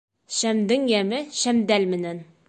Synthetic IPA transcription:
ʃæmd̪ɪŋjæmɪʃæmd̪ælmɪ̆næn

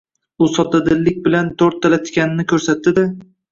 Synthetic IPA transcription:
ʊsɒt̪ad̪ɪlːɪk̚ʲbɪlant̪ʰɵɾt̪ʰːalat̪kʲanɪnɪkʲʰɵɾsat̪ːɪd̪a

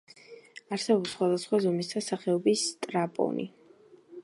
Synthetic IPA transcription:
aɾsɛbɔpsχwad̪asχwazɔmisd̪asaχɛɔbist̪ʼɾapʼɔ̰nʔḭ

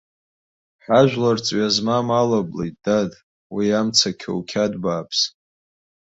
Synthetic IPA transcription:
ħaʒᶣʷlart͡sʼɥazmamalablḛjt̚ʼd̥ad | wiamt͡sʰakʲʰo̰wkʲʰadbaːpʰs

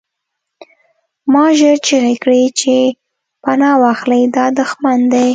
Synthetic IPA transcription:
mɑʒəɾt͡ʃeɣekɽit͡ʃe | panɑwɑxləjd̪ɑd̪ʊxmand̪aj

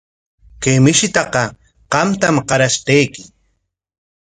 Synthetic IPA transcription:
kemɪʃɪt̪ɑqɑ | qɑmt̪amqɑɾaʃt̪ejkɪ

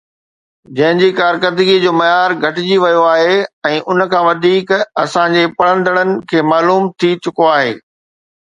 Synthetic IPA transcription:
d͡ʑɐ̃ɦɪ̃ɲd͡ʑiːkaːɾkəd̪ɪɡed͡ʑoːmɐjaːɾɡʱɐʈɪd͡ʑiʋɐjoaːɦeɛ̃ːʔʊnə̆kʰãːʋɐd̪ʱiːkɐsãd͡ʑepɐɽə̃nd̪əɽənɪ̆kʰeːmaːluːmt̪ʰit͡ɕʊkoaːɦḛː

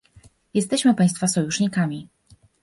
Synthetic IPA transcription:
jɛst̪ɛɕmɘpaj̃st̪fasɔjuʂɲikamʲi

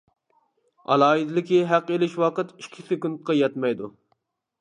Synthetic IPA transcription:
ɑ̰lˠɑːid̪ɪlɪkʲiɦæqelɪʃwɑqət̪ikʲʰːisɪkunt̪̚qɑjɛt̪mɛjd̪u

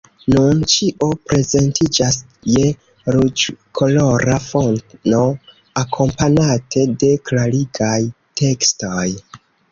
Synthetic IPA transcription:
nunt͡ʃiʔopɾe̞ze̞ntid͡ʒas | je̞ | ɾud͡ʒkʰo̞lo̞ɾafonno̞ | akʰo̞mpanatʰe̞de̞klaɾiɡaj | tʰe̞kstoj

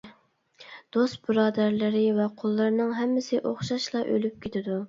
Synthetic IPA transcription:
d̪̥ost̪̚bɨɾɑːd̪æɾlɪɾɪvɛqʰolˠːɨɾnɨŋɦɛmːɪsɪʔoχʃɑʃlˠɑʔø̰lyp̚kʲet̪ʰɪd̪u

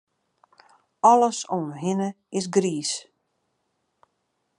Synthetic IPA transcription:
ɔləsonɦɪnə | ɪs̬ɡriːs

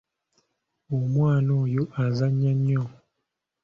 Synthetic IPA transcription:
omwaːnoːjoʔazaɲːaɲːo

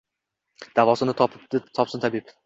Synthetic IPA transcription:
d̪̥avɒsɪnɪt̪ʰɒpʰɪɪt̪ʰɒpsɪnt̪ʰabiɪb

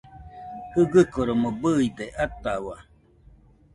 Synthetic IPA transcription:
hɯɡɨkoɾomobɨid̪eʔat̪awa

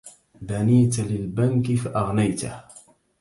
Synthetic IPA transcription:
baniːt̪alɪlbankɪfaʔaɣnajt̪ah

